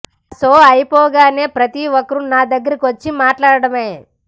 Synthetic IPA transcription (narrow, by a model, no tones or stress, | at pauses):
ɐsoːɐjpɔːɡaːne̞ːpɾɐt̪iɔkːɐɾunaːd̪ɐɡːɐɾɐkiʋɐt͡ʃːimaːʈlaːɽɐɽɐme